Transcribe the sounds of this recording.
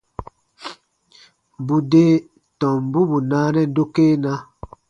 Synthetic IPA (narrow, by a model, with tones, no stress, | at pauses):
bu˨de˦ | tɔ̃˨mbu˦bu˨na˦nɛ˦do˦ke˦na˦